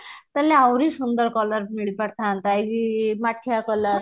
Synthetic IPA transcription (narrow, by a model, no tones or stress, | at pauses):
t̪əlːeawɾisund̪əɾkɔləɾmiɭipəɽt̪ant̪ajɡimaʈʰjakɔləɾ